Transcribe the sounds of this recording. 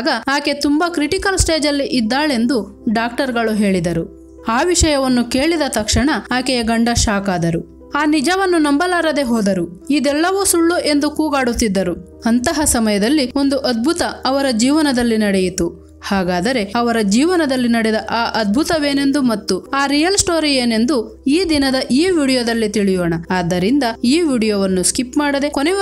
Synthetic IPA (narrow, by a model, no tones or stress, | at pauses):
ɡɐaːke̞t̪umbɐkɾiʈikɐlsʈe̞ːd͡ʒɐlːiʔid̪ːaːɭe̞nd̪u | ɖaːk̚ʈɐɾɡɐɭuɦe̞ːɭid̪ɐɾu | aːʋiʂɐjɐʋɐnːuke̞ːɭid̪ɐt̪ɐkʂɐɳɐaːkɛjɐɡɐɳɖɐʃaːkaːd̪ɐɾu | aːnid͡ʒɐʋɐnːunɐmbɐlaːɾɐd̪e̞ɦɔːd̪ɐɾuid̪ɛlːɐʋuːsuɭːuʔe̞nd̪ukuːɡaːɽut̪ːid̪ːɐɾu | ɐnt̪ɐɦɐsɐmɐjɐd̪ɐlːio̞nd̪uʔɐd̪̚bʱut̪ɐːʋɐɾɐd͡ʒiːʋɐnɐd̪ɐlːinɐɽɛjit̪u | haːɡaːd̪ɐɾe̞ɐʋɐɾɐd͡ʒiːʋɐnɐd̪ɐlːinɐɽɛd̪ɐʔaːʔɐd̪̚bʱut̪ɐʋeːne̞nd̪umɐt̪ːuaːɾijɐlsʈoːɾijeːne̞nd̪u | iːd̪inɐd̪ɐʔiːʋiːɽijoːd̪ɐlːit̪iɭijoːɳɐaːd̪ːɐɾind̪ɐiːʋiːɽijoːʋɐnːuskipmaːɽɐd̪e̞konɛ